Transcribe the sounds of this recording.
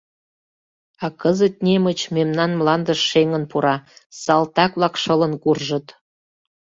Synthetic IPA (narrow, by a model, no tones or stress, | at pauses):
ɑkəzət̪̚nemət͡ɕmemnɑnmlɑnd̪əʃːeŋənpuɾɑsɑlt̪ɑkβlɑkʃɤlə̆nkurʒə̆t̪